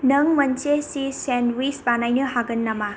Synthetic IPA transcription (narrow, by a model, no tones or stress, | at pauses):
nɐŋmɐnt͡ʃesisenwisbanajnɯɦaɡɐnːama